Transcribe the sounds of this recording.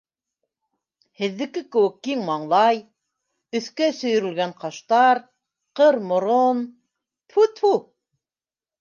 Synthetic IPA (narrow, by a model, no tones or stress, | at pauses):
hɘ̆ðːɘ̆kɘkɘ̆wɘk̚ːiŋmɑɴlˠɑj | ɵ̆θkæsɵ̆jɵ̆ɾɘ̆lɡæɴqɑʃt̪ɑɾ | qɤɾmŏɾon | pʰut̪fu